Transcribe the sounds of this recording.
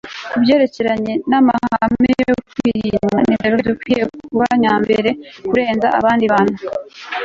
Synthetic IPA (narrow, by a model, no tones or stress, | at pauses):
ubɟe̞ːɾe̞ce̞ɾaɲe̞namahahamejokwiːɾiɲmanimeɾoedukwijekuβa̰ɲaːmbeɾe̞kuɾe̞ːnza̰ʔa̰βaːndiβanu